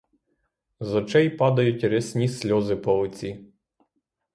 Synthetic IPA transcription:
zɔt͡ʃɛjpɑd̪ɐjʊtʲɾesʲnʲisʲlʲɔzɪpɔlˠɔt͡sʲi

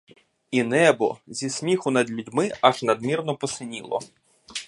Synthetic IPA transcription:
inɛbɔ̰zʲisʲmʲixʊnɐd̪lʲʊdʲmɪaʒnɐd̪mʲirnɔpɔsɪnʲilˠɔ̰

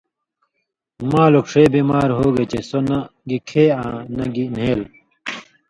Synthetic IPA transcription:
maːlokʂeːbiːmaːɾɦoːɡet͡ɕesonɐɡikʰeːãːnɐɡineːl

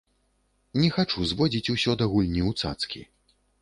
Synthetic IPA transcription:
nʲɛxat͡ʂuzvɔd͡zʲit͡sʲusʲɔd̪ɐɣulʲnʲiut̪sa̰t̪skʲḭ

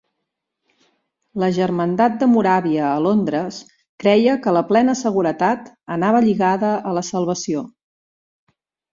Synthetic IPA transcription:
ləʒərmənd̪at̪̚d̪əmuɾaβiəːlond̪ɾəs | kɾɛjəkələplɛnəsəɣuɾət̪at̪ənaβ̞əʎiɣaðəələsəlˠβ̞əsio

